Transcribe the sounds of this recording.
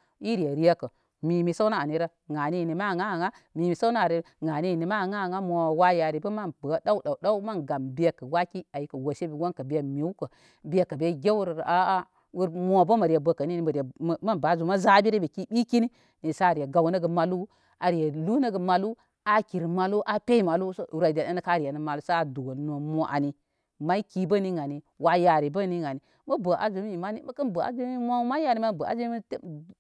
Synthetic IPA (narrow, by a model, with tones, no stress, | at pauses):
i˦ɾi˨je˨ɾi˦ja˦kə˨ | mi˨mi˨sa˦wna˦a˨ni˨ɾə˦ | ŋa˨ni˦˨ni˨ma˦˨ŋa˦˨ŋa˦ | mi˨mi˨sa˦na˦˨ɾi˨˦ŋa˨ni˦˨ni˨ma˦˨ŋa˦˨ŋa˦mʷo˨wa˦ja˨ɾi˨bə˦ma˦nbə˨˦da˦u˦ɗa˨ɗa˦u˦ma˦nɡa˨mbi˦e˨kə˨wa˦ki˦a˨ji˨kə˨wo˨ʃe˦bi˨wo˦nkə˨be˨mi˨u˦kə˨ | bi˦e˨kːə˨be˦ɡʲe˦wu˦ɾɾa˦ | wu˦ɾmʷo˨bə˦mə˨ɾi˨je˨bə˨kə˨ni˦ni˨m˨ɾe˨ma˦nba˨˦zu˨ma˦za˦bi˦ɾi˦be˨ki˦bi˦ki˦ni˦ | ni˨sa˦˨ɾi˨ja˨ɡa˨wnə˦ɡə˨ma˨lu˦ | a˨ɾi˨ja˨lu˦nə˦ɡə˨ma˨lu˦ | a˨ki˨ɾma˨lu˦ʔa˦pe˦i˦ma˨lu˦so˦˨ɾa˨da˨a˦nə˦ka˦˨ɾi˨ja˨nə˨ma˨lu˦sa˦a˨du˨wo˨ln˨o˨mo˨ʔa̰˨ni˨ | ma˦i˦ki˦bə˦ni˦ŋa˨ni˨ | wa˨ja˨ɾi˨bə˦ni˦ŋa˨ni˨ | mə˦bə˨ʔa̰˨zu˨˦m˦i˨ma˦ni˦m˦kə˦nbə˨a̰˦zu˦i˦mʷa˦ma˦ja˦ni˨˦ma˦˨bə˨a̰˦zu˦m˦t